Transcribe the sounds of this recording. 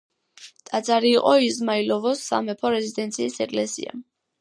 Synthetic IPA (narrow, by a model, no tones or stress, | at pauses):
t̪ʼad̪zʼaɾiːqʼɔizmailɔvɔsːa̰mɛpʰɔɾɛzid̪ɛnt̪sʰiːsɛkʼlɛsḭa̰